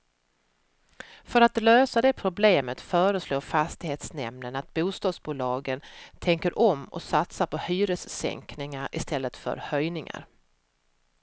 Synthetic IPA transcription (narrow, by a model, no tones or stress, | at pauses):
fœɾat̪løːsad̪ɛpʰɾʊbleːmət̪fœːɾəsloːɾfast̪ɪheːt̪snɛ̰mnənat̪̚buːst̪ɑːd̪sbuːlɑːɡənt̪ʰɛŋkəɾʔɔmːɔ̰sat̪saɾpʰɔhyːɾəsːɛ̰ŋknɪŋaɾɪ̰st̪ʰɛlːət̪fœ̰ɾhœjnɪŋa̰ɾ